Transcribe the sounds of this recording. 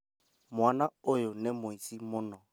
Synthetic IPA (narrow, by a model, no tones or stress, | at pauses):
mwanaʊjʊnɪmʊisimʊnɔ